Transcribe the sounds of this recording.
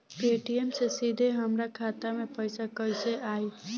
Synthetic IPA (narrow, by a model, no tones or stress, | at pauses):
peːʈijemsesid̪ʱeɦəmɾakʰaːt̪amẽpəɪsakəɪseʔaːi